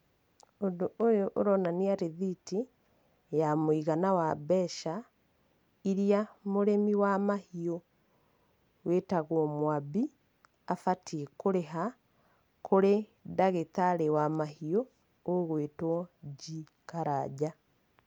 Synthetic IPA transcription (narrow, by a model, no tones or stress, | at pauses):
ondoojoʔoɾɔnaniaɾeðiti | jamoiɣanawabɛʃa | iɾiamoɾemiwamahio | wetaɣwɔmwabi | afatiekoɾeɦa | koɾedaɣetaɾewamahio | oɣwetwɔɟi | kaɾad͡ʒa